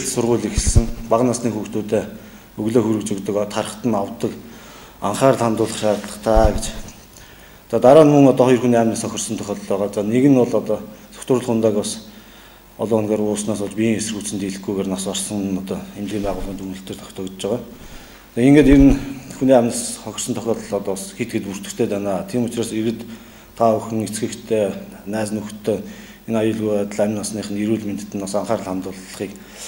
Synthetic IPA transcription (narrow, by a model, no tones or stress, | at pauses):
ɮsʊrʁʊːɮixɘ̆sɘ̆ŋpaʁnasniːŋxuxt̪uːt̪eː | ɵɣɮeːxuɾɵ̆kt͡ɕɵ̆kt̪ə̆kt̪ʰaɾə̆χt̪ə̆nawt̪ːə̆k | a̰ɴχaːrt̪ʰamt̪ʊːɮə̆χʃaːɾɮə̆χt̪ʰaːɡet͡ɕ | t͡sat̪aɾaːnmɵŋɔt̪ɔχɔjɞ̆rxuniaːmnisɔxʲɞ̆rsɞ̆nt̪ʰœxʲɔɮɮæːʁaːt͡saːneɣɘ̆nʊɮɔt̪ɔːsɔ̥kt̪rʊɮχʊnt̪aːkpas | ɔɮʊːnɡaːɾʊːsnaːsʊɮt͡ɕpʲiŋesɘrɣuːt͡ssɘ̆nt̪iɮɘ̆xɡujɣeːrnasarsɞ̆ŋnɔt̪ɔːxemɣiːnpæːʁʊːɮʁint̪un̆ɬt̪ɘ̆ːrt̪ʰɔ̥kt̪ɔːkt͡ɕt͡ɕæːʁaː | t͡saeŋɡeːt̪eɾɘ̆nxuniæmnsχɔxʲɪ̆r̥sə̆nt̪ʰɔxʲɔːt̪ɞ̆ɮɔt̪ɔːsxet̪̚ɡet̪pur̥t̪ɘ̆t̪ʰeːt̪ænaːt̪ʰiːmʊt͡ɕraːseɾɘ̆t̪ːʰ | auxɘ̆ŋet͡sɡɘ̆kt̪ʰeːnæːt͡sɘ̆nuxt̪ʰːe | enajʊːɮɣujat̪ə̆ɮæmʲnasniːχɘ̆niɾuːɮmet̪ʰt̪ːɘ̆nɔsaɴχaːrɮχamt̪ʊːɮ̆χiːk